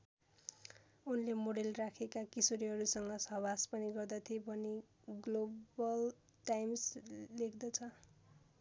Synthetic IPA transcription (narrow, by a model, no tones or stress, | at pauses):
unlemoɽelrakʰekakisoɾiɦʌɾusʌŋɡʌsʌbaspʌniɡʌrd̪ʌt̪ʰiebʱʌni | ɡlobʌl | ʈajmslekʰd̪ʌt͡sʰʌ